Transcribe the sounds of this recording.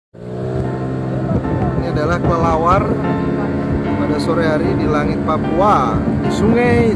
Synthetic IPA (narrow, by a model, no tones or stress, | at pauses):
ŋadalahkləlawar | padasɔɾɛɦaɾidilaŋit̪̚papuadisuŋaj